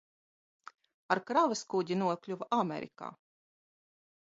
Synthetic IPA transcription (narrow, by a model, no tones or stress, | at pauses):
aɾkɾavaskud̪ʲinuɔklʲuvʔamʲḛɾʲḭka̰ː